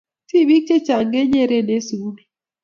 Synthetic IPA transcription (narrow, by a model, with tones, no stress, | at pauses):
ti˦˨bi˦k̚t͡ʃe˦t͡ʃa˨ŋɡe˦ɲe˦˨ɾe˦ne˦su˨˦l